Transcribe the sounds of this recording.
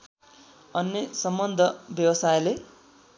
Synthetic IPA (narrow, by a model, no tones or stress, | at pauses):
ʌnːesʌmbʌnd̪ʱʌbjʌwʌsajle